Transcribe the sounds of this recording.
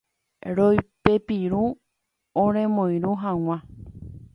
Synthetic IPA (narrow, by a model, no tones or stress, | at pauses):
ɾojpepiɾu | õɾ̃ẽmõjɾuɦãw̃ã